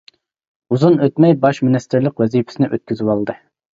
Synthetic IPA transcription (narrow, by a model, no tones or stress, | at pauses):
uzunøt̪mɛjbɑʃminɪst̪ɪɾlɪqwɛzipʰɪ̥sɪnɪʔøt̪̚kʲyzɪwɑlˠd̪ɨ